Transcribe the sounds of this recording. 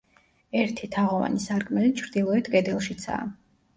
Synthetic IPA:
ɛɾt̪ʰit̪ʰaʁɔva̰nisaɾkʼmɛlit͡ʃʰɾd̪ilˠɔɛt̪ʰkʼɛd̪ɛlˠʃit̪sʰa̰ː

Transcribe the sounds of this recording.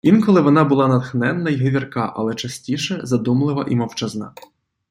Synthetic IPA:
inkɔlˠɪʋɔnɑbʊlˠɑnɐt̪xnɛnːɐjɦeʋʲirkɑʔɐ̰lˠɛt͡ʃɐsʲtʲiʃɛzɐd̪umlˠɪʋɐ̰ʔimɐwt͡ʃɐznɑ̰

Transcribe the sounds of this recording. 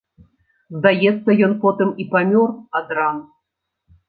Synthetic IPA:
zd̪ajɛt̪sːɐjɔnpot̪ɨmipamʲɔrɐd̪ɾɑn

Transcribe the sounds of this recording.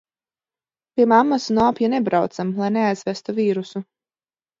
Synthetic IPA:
piɛmamːasunɔːpjanebɾawt̪samlˠajneajz̥væst̪uviːɾusu

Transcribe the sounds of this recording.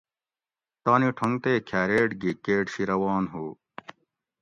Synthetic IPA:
t̪aːniʈʰoŋt̪eːkʰæːɾeːʈɡikeːʈɕiɾɐwaːnɦuː

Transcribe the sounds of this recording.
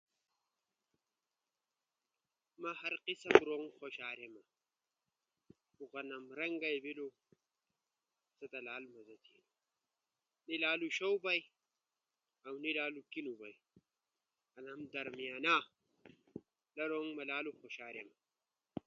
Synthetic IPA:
mɐhɐɾqisɐmɾoŋxoɕaːɾemɐ | uɣɐnɐmɾɐŋɡajbilo | sɐt̪ɐlaːlmɐzɐt̪in | nilaːluʃowbɐj | awnilaːlukinubaj | ɐnamd̪ɐɾmijaːna | lɐɾoŋmɐlaːluxoɕaːɾjema

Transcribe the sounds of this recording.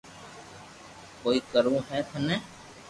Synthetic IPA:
koːiːkəɾũːɦɛːt̪ʰənɛ̃ː

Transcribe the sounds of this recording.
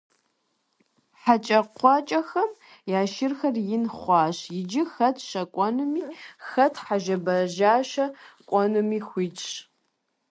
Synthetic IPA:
ħat͡ʃʼɐqʷɑt͡ʃʼɐxɐm | jaːʃɪrxɐrjɪnχʷɑːɕjɪd͡ʒɪxɐtʰʃɐkʷʼɔnɨmiːxɐtʰħaʒɐbɐʒaːʃɐkʷʼɔnɨmiːxʷiːt͡ʃʼɕ

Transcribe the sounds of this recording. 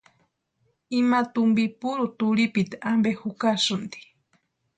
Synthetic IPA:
imat̪umbipuɾut̪uɾipit̪aʔambehukasund̪i̥

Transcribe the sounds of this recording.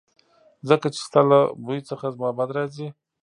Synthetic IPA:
zəkat͡ʃe̥st̪alabujt͡səxazmɑbad̪ɾɑzi

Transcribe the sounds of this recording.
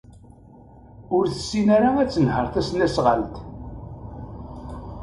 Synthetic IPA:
ʊɾθə̥sːinaɾaæt͡sːənhəɾˤθæsnæsʁəlt̪

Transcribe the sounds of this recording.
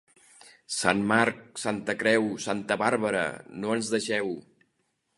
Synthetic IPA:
sanmaɾk̚sant̪əkɾɛwsant̪əβaɾβəɾə̰noənzðəʃɛw

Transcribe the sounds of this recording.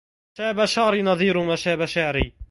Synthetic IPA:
ʃaːbaʃaʕɾinɑðˤiːɾʊmaʃaːbaʃaʕɾiː

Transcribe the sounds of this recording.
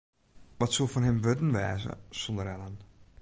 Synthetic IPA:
ʋɔtsulˠfɔnɦɛmʋøtən̩ʋɛ̰ːzə̰sɔndəɾɛlan

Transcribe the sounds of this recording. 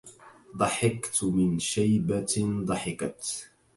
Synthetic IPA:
d̪ˤɑħɪqt̪mɪnʃajbad̪ˤɑħɪqɑt̪

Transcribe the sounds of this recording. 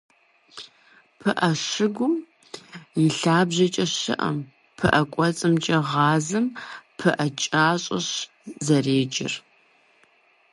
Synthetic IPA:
pʰɨʔɐʂɪɡʷʊm | jɪɬaːbʑɐt͡ʃʼɐɕɪ̰ʔɐ̰m | pʰɨʔɐkʷʼɔt͡sʼɨmt͡ʃʼɐʁɑːzɨmpʰɨʔɐt͡ʃʼaːɕʼɐɕ | zɐreːd͡ʒɪ̰r

